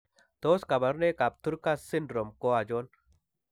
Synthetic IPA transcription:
t̪oːskɐ˨bɐɾneka˨p̚t̪u˦ɾkasinɖɾo˨mko˦a˨d͡ʒoːn

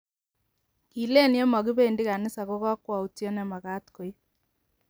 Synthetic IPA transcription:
i˨le˦ni˦ɔ˦ma˨ɣi˦βe˦˨ndi˦ɣa˨nɪ˦sa˨ɣo˦ɣa˦kwa˨u˨tjɔ˦nɛ˨ma˨ɣa˦tko˨i˦

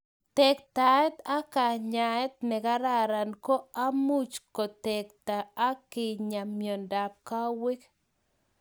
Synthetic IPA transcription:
t̪ɛ˨kt̪a˨ɛ˦t̪a˦ka˨ɲa˨ɛ˦t̪̚nɛ˨ka˦ɾa˦ɾa˨nko˦a˦mu˦t͡ʃko˨t̪ɛ˨k̚t̪aː˨˦kɪ˨ɲa˨mjɔ˨nda˨p̚ka˦wɪ˦k

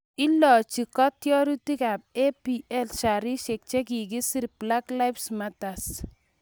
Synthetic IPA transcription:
i˦lːɔ˨t͡ʃi˨kɔ˦tjɔ˦ɾu˦ti˦ka˨p̚e˦piʔɛ˦lʃaɾi˦ʃe˨k̚t͡ʃɛ˦k̬iɡ̬i˦si˦ɾpla˦kla˦jfsmatas

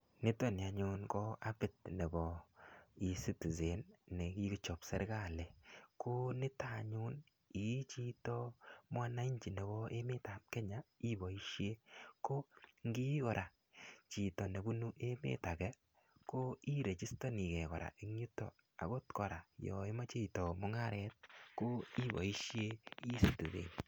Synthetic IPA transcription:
nɪ˦tɔ˦nɪ˨a˨ɲʊ˦nkɔ˦a˦bɪ˨tne˨bɔ˨ | i˨si˦ti˨ze˨nːe˨ki˦ɡi˦t͡ʃɔ˨psɛ̰˦ɾɡa˦˨le˨kʰo˦nɪ˦ta˦˨ɲʊ˦n | i˨˦t͡ʃi˦tɔ˦ma˦na˦i˦ɲt͡ʃi˨ne˨bɔ˦e˦me˦ta˨p̚kɛ˦ɲa˨i˦bɔ˨i˦ʃje˦ko˦ŋɡi˦kɔ˨ɾʔa˨ | t͡ʃi˨tɔ˨ne˨bu˦nu˦ʔe˦mḛ˦ta˨kɛ˦ | ko˦i˦ɾe˨t͡ʃi˦sto˦ni˨kɛ˨kɔ̰˨ɾa̰˨ʔe˦ŋu˦tːɔ̰˨ | a̰˨ɡo˦tkɔ˨ɾa˨jɔ̰˨e˦ma˦t͡ʃe˦tɔ˨mʊ˦ŋa˦ɾɛ˦t̚ko˦i˦bɔ̰˨i˦ʃje˦i˦stu˨dḛ˨n

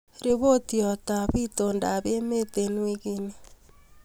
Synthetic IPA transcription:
ɾe˦βo˦tiɔ˨ta˨βito˨nda˨βe˦me˦te˨nwi˦ɣe˦ni

